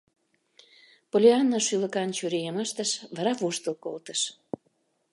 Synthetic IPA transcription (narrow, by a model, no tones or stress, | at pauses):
polʲeɑnːoʃylə̆kɑnt͡ɕyɾejəməʃt̪əʃβɑɾɑβuʃt̪əlko̰lt̪ə̥ʃ